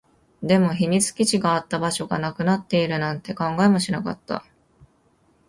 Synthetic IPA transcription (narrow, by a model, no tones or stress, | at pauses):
d̪e̞mo̞çiɲ̟it͡sɨ̥kʲit͡ɕiɡaːt̪ːabaɕo̞ɡa̰nakɯ̟nat̪ːe̞iɾɯ̟nãnt̪e̞kãŋɡaemo̞ɕinaka̰t̪ːa̰